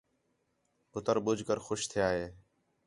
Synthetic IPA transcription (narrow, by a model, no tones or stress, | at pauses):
ʊt̪əɾɓʊd͡ʒʱkəɾxʊʃt̪ʰɪjaːɦeː